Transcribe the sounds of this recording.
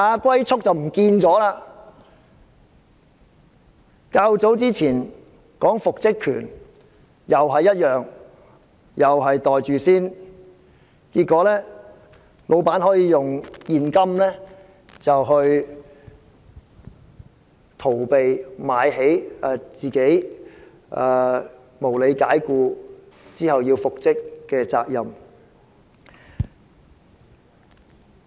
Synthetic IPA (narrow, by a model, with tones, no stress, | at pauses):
aː˨˧kʷɐ˥jt͡sʰʊ˥k̚t͡sɐ˨wm̩˨˩kiː˧nt͡sɔː˨˥laː˧ | kaː˧wt͡so˨˥wt͡siː˥t͡sʰiː˨˩n | kɔː˨˥ŋfʊ˨k̚t͡sɪ˥kʰːy̰ː˨˩n | jɐ˨wɦɐ˨jːɐ˥t̚jœː˨ŋ | jɐ˨wɦɐ˨jt̪ɔː˨jt͡ʃyː˨siː˥n | kiː˧t̚kːɔː˨˥lɛː˥ | lo˨˧wpaː˨˥nɦɔː˨˥jiː˨˧jʊ˨ŋjiː˨nkɐ˥mlɛː˥ | t͡sɐ˨wɦɵ˧ɥ | t̪ʰo˨˩wpe˨jmaː˨˧jɦe˨˥jɛː˨˩t͡siː˨˩ke˨˥j | ʔɛː˨˧ | mo˨˩wle˨˧jkaː˨˥jkuː˧ | t͡siː˥hɐ˨wjiː˧wfʊ˨k̚t͡sɪ˥kːɛː˧t͡sa̰ː˧k̚jɐ˨m